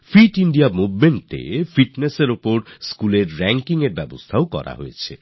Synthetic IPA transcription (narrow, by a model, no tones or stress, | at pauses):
fʰiʈiɳɖijamubmeɳʈḛfʰiʈneseɾupoɾskuleɾːɛŋkiŋeɾbɛbo̰st̪ʰaokɔ̰ɾa̰ɦo̰jet͡ɕʰe